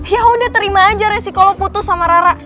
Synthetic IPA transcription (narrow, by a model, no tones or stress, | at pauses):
jaɦudaht̪əɾimaːd͡ʒaɾɛsikaloput̪ʊsamaɾaɾa